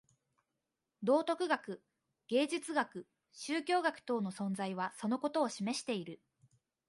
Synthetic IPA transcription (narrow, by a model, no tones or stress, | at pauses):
d̪o̞ːt̪o̞kɯ̟ɡakɯ̟ | ɡ̥e̞ːd͡ʑit͡sɨɡakɯ̟ | ɕɨːkʲo̞ːɡakɯ̟̥t̪o̞ːno̞sõ̞nzaiβ̞aso̞no̞ko̞t̪o̞ːɕime̞ɕi̥t̪e̞iɾɯ̟